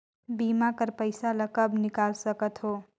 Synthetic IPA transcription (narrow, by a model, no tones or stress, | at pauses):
biːmakəɾpəɪsaləkəbnɪkaːlsəkət̪ɦoː